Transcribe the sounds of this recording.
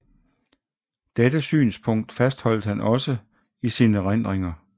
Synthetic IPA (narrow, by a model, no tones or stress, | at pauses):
d̥edəsy̰ːnspʰɔ̽ŋ̰d̥fæsd̥hɒ̽l̰d̥əhænʔɒ̽sə | isiːnəʁan̰d̥ʁeŋɐ